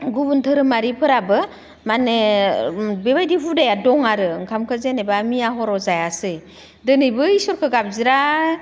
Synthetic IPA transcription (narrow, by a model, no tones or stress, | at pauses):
ɡubuntʰɯɾɯmaɾipʰɯɾabɯ | mane | beβajdipʰudajadɔŋaɾɯŋkʰamkʰɯzenebamijaɦɔɾɔzajasɯj | dɯnɯjbɯisɔɾkʰɯɡap̚ziɾa